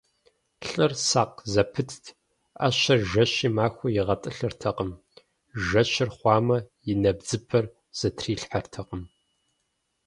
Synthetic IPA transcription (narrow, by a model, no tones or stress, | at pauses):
ɬʼɨrsaːqzɐpʰɨtʰtʰ | ɐ̰ɕɐrʒɐɕiːmaːxʷʊjɪʁɐtʼɨɬɨrtʰɐqəm | ʒɐɕɪrχʷɑːmɐjɪnɐbd͡zɨpʰɐr | z̥ɐtʰriːɬħɐrtʰɐqəm